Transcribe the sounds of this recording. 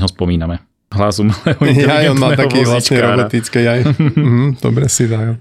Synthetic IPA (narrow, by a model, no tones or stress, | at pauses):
ɦɔspɔmiːnamɛ | ɦlazumlɛujajɔnmalt̪akiʋlisɲɛɾɔbɔt̪it͡skɛjajm̩ɦm̩d̪̥ɔ̰bɾɛsizaj